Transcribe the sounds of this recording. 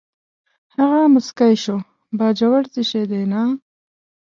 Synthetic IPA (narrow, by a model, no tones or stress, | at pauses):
haɣamʊskajʃo | bɑːd͡ʒawaɽt̪iʃed̪ena